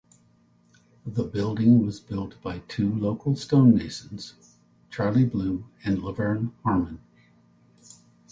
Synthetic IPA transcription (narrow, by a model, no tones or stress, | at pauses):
ðəbɪlˠdɪ̃ŋwʌzbɪlˠt̚b̥aɪtʰʉloʊkl̩ˠstõʊ̃nːeɪʃɨ̃n̩z̥ | t͡ʃʰɑɹlˠiblʉɨ̃nləvə̃˞nhɑɹmɨ̃n